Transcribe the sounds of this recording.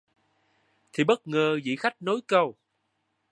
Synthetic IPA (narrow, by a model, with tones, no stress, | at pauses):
t̪ʰi˨˩ɓə˦˥t̚ŋəː˨˩zḭ˧˨xa˦˥jk̟̚no˨˦jkə˧w